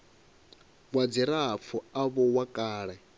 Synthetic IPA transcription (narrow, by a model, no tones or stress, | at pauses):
βwad͡ziɾap̪fʰɔaβɔwakʼaːɺɛ